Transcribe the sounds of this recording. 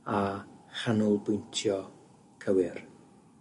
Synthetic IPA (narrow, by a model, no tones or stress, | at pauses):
aχanʊlˠbʊjntʰjɔ | kʰəwɪr